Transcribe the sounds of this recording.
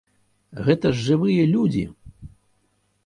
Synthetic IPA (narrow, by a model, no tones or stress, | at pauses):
ɣɛt̪ɐʐːɨvɨjɐlʲud͡zʲḭ